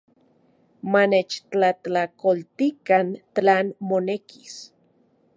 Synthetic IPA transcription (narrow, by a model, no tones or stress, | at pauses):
manet͡ʃt͡ɬat͡ɬakolt̪ikant͡ɬaːnmoneki̥s